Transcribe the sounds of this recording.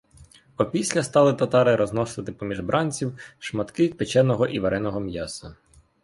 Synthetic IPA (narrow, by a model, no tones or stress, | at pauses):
ɔpʲisʲlʲɐst̪ɑlˠɪt̪ɐt̪ɑɾɪɾɔznɔsɪt̪ɪpɔmʲiʒbɾʔɑnʲt͡sʲiwʃmɐt̪kɪt̪̚pet͡ʃɛnɔɦɔʔiʋeɾɛnɔɦɔmjɑsɐ